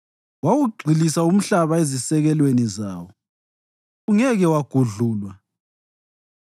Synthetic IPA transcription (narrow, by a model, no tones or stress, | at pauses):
wawuɡ͡ǀʱilisaum̩ɬaβaezisɛɣɛlwenizaːwɔ | ɣuŋɛɣɛwaɡ̥ʱuɮuːlwa